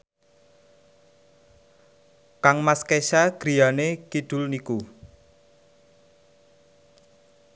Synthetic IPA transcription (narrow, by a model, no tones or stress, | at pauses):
kaŋmaskeʃaɡ̥ɾi̤janekid̪̥ʊ̤lniku